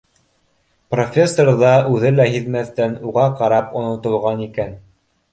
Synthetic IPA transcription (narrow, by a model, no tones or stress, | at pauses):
profʲesːorðɑʉðɘlæɦiðmæθt̪ænuʁɑqɑɾɑpŏnŏt̪ŏlˠʁɑnikæn